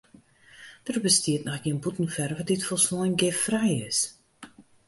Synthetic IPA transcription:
d̥ərbəstiətnɔxɡiənbutn̩fɛrʋɔt̚dɪtfolˠsnɔjnɡɪffrɛjɪs

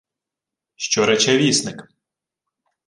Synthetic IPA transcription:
ʃt͡ʃɔɾɛt͡ʃɛʋʲisnɪk

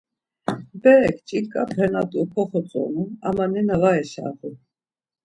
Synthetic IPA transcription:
bɛɾɛkʰt͡ʃʼilkʼabɾɛnat̪ʼupʰɔχɔt͡sʼɔ̰nua̰manɛnavaɛʃa̰χu

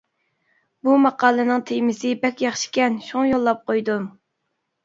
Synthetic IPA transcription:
bumɑqʰɑːlˠɨnɨŋt̪ʰejmɪsɪbɛkʲjɑχʃi̥kʲɛnʃuŋjolˠːɑp̚qʰojd̪um

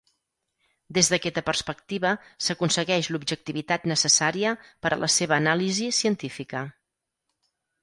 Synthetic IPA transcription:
d̪ezðəkɛt̪əpərspəkt̪iβəsəkunsəɣɛʃlubʒək̚t̪iβit̪at̪nəsəsaɾiəpəɾʔə̰lʔəseβəːnalizisiənt̪ifikə

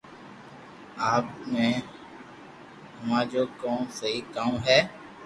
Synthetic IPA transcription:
aːpmɛ̃ː | hʊmãːd͡ʒoːkõːsəɦiːkaːũːɦɛː

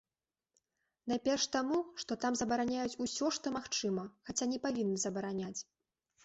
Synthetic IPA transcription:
najpʲɛrʂt̪amuʂt̪ɔt̪amzɐbɐɾanʲajut͡sʲusʲɔʂt̪ɔmaxt͡ʂɨmɐxat͡sʲanʲɛpavʲinːɨzɐbɐɾanʲat͡sʲ

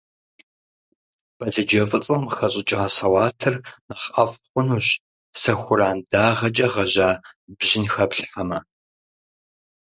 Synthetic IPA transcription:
b̥ɐɮɐd͡ʒɐfʼɨt͡sʼɨmxɐɕʼɪt͡ʃʼaːsɐwɑːtʰɨrnɐχɐfχʷʊnuːɕ | sɐxʷʊɾaːnd̥aːʁɐt͡ʃʼɐʁɐʒaːbʑɪnxɐpɬħɐmɐ

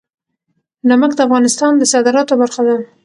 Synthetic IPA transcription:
naməkd̪əafɣɑnɪst̪ɑnd̪əsɑd̪ɪɾɑt̪obaɾxad̪a

